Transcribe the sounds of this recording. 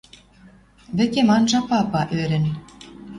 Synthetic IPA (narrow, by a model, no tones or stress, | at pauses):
βɘ̆kemɑnʒɑpɑpɑʔøɾʲɘ̆n